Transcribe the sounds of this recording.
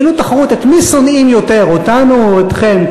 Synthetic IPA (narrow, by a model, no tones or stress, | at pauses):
lut̪aχaʁut̪et̪miso̞nimjo̞t̪e̞ʁot̪anuet̪χem